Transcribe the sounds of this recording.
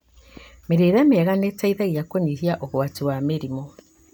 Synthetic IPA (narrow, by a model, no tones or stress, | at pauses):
meɾeɾamɛɣanetaiðaɣiakoɲiɦiaʔoɣwatiwameɾimɔ